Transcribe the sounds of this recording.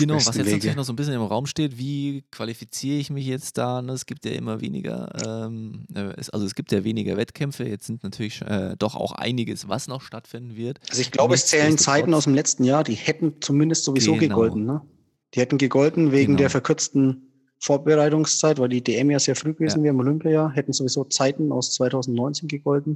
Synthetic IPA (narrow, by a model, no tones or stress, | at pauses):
ɡ̥ənaʊvasjɛenɡʰɐlçnɔχszoːnbɪsçjənɪmʁaʊmʃteːtv̥iːkv̥alifit͡siːʁəɪçmɪçjɛt͡std̥aːnəɛsɡ̥iːp̚tja̰ːʔɪ̰mɐvḛːnɪ̰ɡɐ̰ʔɛ̰ːmʔɛːʔɛsʔa̰lzoɛsɡ̥iːp̚tjaːveːnɪɡɐvɛtkʰɛmfəjɛt͡stz̥ɪntnatʰyːɐlɪçʃɛːd̥ɔχʔa̰ʊxʔa̰ɪnɪɡəsva̰snɔχʃtatfɪndn̩vɪɐtʔalzoɪçɡ̥laʊbəɛst͡sɛːlənt͡saɪtn̩aʊsd̥emlɛt͡stn̩jaːɐdiːhɛtn̩t͡sumɪndəstz̥ovizoːɡəɡɔltn̩nə | d̥iːhɛtn̩ɡəɡɔltn̩veːɡŋ̩deːɐfɛɐkʰʏɐt͡stn̩ | foːɐbəʁaɪtʊŋst͡saɪtvaɪldiːdeːʔɛmjaːzeːɐfʁ̥yːɡəveːzn̩veːʁɪɪmolʏmpjɐjaːɐɦɛtn̩zovizoːt͡saɪtn̩a̰ʊst͡sv̥aɪtʰaʊzn̩tnɔʏnt͡seːnɡəɡɔltn̩